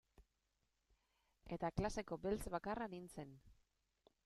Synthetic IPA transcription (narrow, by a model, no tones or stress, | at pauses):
e̞t̪aklase̞ko̞belt͡sβakaranint͡se̞n